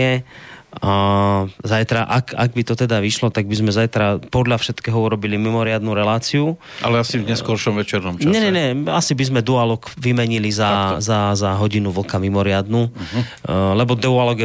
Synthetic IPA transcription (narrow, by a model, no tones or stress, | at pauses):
ɛ | zajt̪ɾaʔaka̰ɡ̚bit̪ɔt̪ɛd̪aʋiʃlɔt̪aɡ̚bizmɛzajt̪ɾapɔd̪ʎafʃɛt̪kɛːɦɔuɾɔbilimimɔɾɪad̪nuɾɛlaːt͡siu | ʔa̰lɛasivɲɛskɔɾʃɔmʋɛt͡ʃɛɾnɔmt͡ʃaɲɛɲɛɲɛasibizmɛd̪ualɔkʋimɛɲilizazazaɦɔɟinuʋl̩kamimɔɾɪad̪nu | lɛbɔd̪ualɔɡɛ